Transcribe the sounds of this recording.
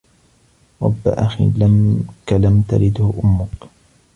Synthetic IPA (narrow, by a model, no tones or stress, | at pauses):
ɾˤɑbːa̰ʔaxḭːlamkalamt̪a̰ɾɪd̪hʊʔʊmːʊk